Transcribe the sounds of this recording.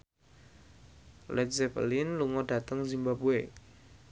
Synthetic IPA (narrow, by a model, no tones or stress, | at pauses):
lɛt̪̚zɛpə̰lɪnluŋɔda̤t̪əŋzimbabue